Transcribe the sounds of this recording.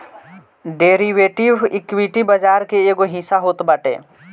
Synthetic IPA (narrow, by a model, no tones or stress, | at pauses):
ɖeːɾiʋeːʈɪʋɪkʋiʈibəd͡ʒaːɾkeeːɡoɦĩsaɦoːt̪bəʈḛː